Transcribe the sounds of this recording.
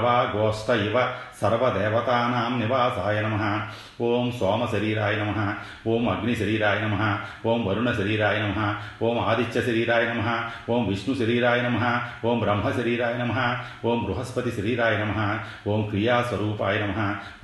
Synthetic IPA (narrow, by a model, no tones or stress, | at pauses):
ʋaːɡoːst̪ɐjiʋɐsɐɾʋɐd̪eːʋɐt̪aːnaːmniʋaːsaːjɐnɐmɐɦɐ̆ | oːmsoːmɐʃɐɾiːɾaːjɐnɐmɐɦɐ | oːmɐɡɳiʃɐɾiːɾaːjɐnɐmɐɦɐ̆oːmʋɐɾuɳɐʃɐɾiːɾaːjɐnɐmɐɦɐ̆oːmaːd̪it͡ʃjɐʃɐɾiːɾaːjɐnɐmɐɦɐ̆oːmʋiʃɳuʃɐɾiːɾaːjɐnɐmɐɦɐ̆oːmbɾɐmɦɐʃɐɾiːɾaːjɐnɐmɐɦɐ̆ | oːmɡɾuɦɐspɐt̪iʃɐɾiːɾaːjɐnɐmɐɦɐ̆ | oːmkɾijaːsʋɐɾuːpaːjɐnɐmɐɦɐ̆